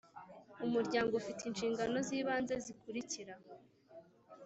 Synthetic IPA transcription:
umuɾɟaːŋɡoufitinʃiːŋɡano̞ziːβaːnze̞zikuɾiciɾa

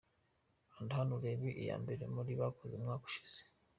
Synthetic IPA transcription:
andhanuɾeβiʔija̰ːmbeɾemuɾiβakozeumŋaːku̥ʃi̥z̥e̥

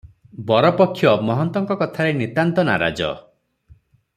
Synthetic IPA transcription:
bɔɾɔpɔkʰːjɔmɔɦɔnt̪ɔŋkɔkɔt̪ʰaɾenit̪ant̪ɔna̰ɾa̰d͡ʒɔ̰

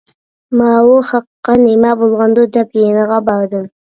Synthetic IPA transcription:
mɑwuχɑqːɑnemæbolˠʁɑnd̪od̪ɛpjenɑʁɑbɑɾd̪ɨm

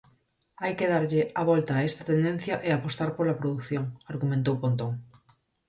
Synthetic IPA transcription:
ajkeðaɾʎeaβ̞olt̪aest̪at̪end̪ẽn̟θjaʔeapost̪aɾpolapɾoðukθjoŋaɾɣumẽnt̪owkõnt̪oŋ

